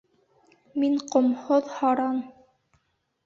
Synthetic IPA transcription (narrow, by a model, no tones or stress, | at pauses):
miŋqŏmhoðhɑɾɑn